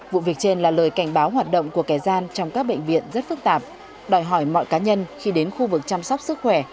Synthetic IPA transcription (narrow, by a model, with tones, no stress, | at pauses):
vṵ˧˨vi˨˩ək̚t͡ɕe˧nlaː˨˩ləː˨˩jka˧˩jŋ̟ɓaː˨˦wɦwaː˨˩t̚ɗə̰˧˨ŋ͡mku˧˩əkaː˧˩jzaː˧nt͡ɕɔ˧wŋ͡mkaː˦˥k̚ɓḛ˧˨ŋ̟vḭ˧˨ənzə˦˥t̚fɨ˦˥k̚t̪aː˨˩p̚ | ɗɔ˨˩jɦɔ˧˩jmɔ̰˧˨jkaː˨˦ɲə˧nxi˧ɗe˨˦nxu˧vɨ˨˩k̚t͡ɕa˧msɔ˦˥wk͡p̚sɨ˦˥k̚xwɛ˧˩